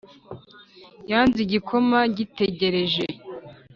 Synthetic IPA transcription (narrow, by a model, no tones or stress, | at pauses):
jaːnziɟikʰo̞maɟite̞ɟe̞ɾe̞ʒe